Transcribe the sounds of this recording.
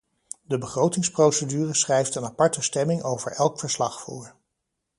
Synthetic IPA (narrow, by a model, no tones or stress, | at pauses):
dəbəχrowtɪŋsprowsədyːrəsχrɛjftənapɑɹtəstɛmɪŋowvə̰ɹɛlˠkfəɹslɑχfṵːɹ